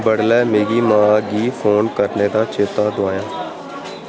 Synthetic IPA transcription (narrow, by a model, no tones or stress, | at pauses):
bəɽlɛːmeːɡiːmãːɡiːfʰoːnkəɾneːd̪aːt͡ʃeːt̪aːd̪ʊaːjaː